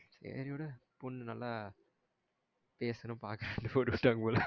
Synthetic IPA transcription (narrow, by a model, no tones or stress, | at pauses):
sḛːɾioːɽɯpɔɳːnɐlːa | peːsɐnɯ̃mpaːɾkɐɾɐɳɖɯpoːʈːɯʋɪʈːaːŋɡɐpoːlɐ